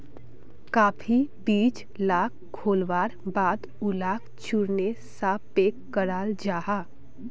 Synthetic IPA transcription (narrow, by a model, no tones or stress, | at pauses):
kaːpʰibiːt͡ʃ | laːk | kʰːoːlʋaːɾbaːd̪ | ʊlaːk | t͡ʃuɾnesapeːkːəɾaːld͡ʒaːɦaː